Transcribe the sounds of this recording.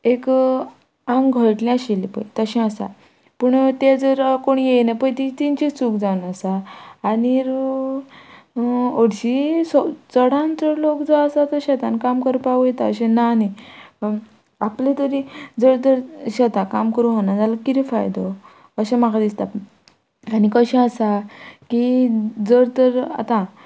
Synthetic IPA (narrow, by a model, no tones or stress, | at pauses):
ek | ãŋɡɡʱəʈlĩaɕilipə̰jt̪əɕĩəsa̰ | pəɳt̪ed͡zəɾkoɳjejnapəjt̪it̪int͡ɕit͡sukd͡zanəsaːniɾ | oɽɕisɔt͡səɽãnt͡səɾlokd͡zaəsat̪əɾɕɛt̪ãnkamkəɾpaʋujet̪aəɕẽnani | aplet̪əɾid͡zəɽt̪əɾɕɛt̪ãkamkəɾũɦonad͡zalakit̪ifajd̪o | əɕɛ̃maɡad̪ist̪a | anikəɕɛ̃əsakid͡zəɾt̪əɾa̰t̪ã